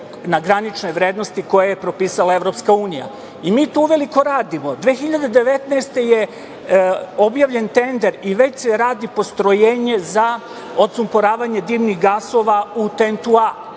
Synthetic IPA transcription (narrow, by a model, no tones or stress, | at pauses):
naɡɾanit͡ʃno̞jʋɾeːd̪no̞st̪iko̞jejepɾo̞piːsalaeʋɾo̞pskauːnija̰ | imiːt̪uuʋe̞liko̞ɾaːd̪imod̪ʋeːxiʎad̪ed̪e̞ʋe̞t̪neːst̪e̞je | objaːʋʎe̞nt̪e̞nd̪eɾiʋe̞t͡ɕseɾaːd̪ipo̞st̪ɾo̞jeːɲeza | ot̪sumpoɾaːʋaɲe̞d̪iːʋniɣɡaso̞ːʋaut̪ent̪ua